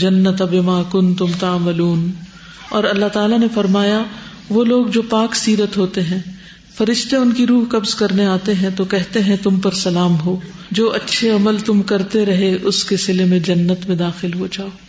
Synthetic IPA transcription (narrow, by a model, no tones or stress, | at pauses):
d͡ʒɐnːɐt̪abɪmaːkʊnt̪ʊmt̪aːmɐluːn | ɔːɾɐlːaɦt̪aːlanefɐɾmaːja | ʋoːloːɡd͡ʒoːpaːksiːɾət̪ɦoːt̪eɦɛ̃ː | fɐɾɪʃt̪eʊnkiɾuːɦkɐbzkɐɾneaːt̪eɦɛ̃t̪okɛɦt̪eɦɛ̃t̪ʊmpɐɾsɐlaːmɦoːd͡ʒoːʔɐtːʃʰeɐməlt̪ʊmkɐɾt̪eɾɐɦeʔʊskesɪlemẽd͡ʒɐnːət̪mẽd̪aːxɪlɦod͡ʒaːo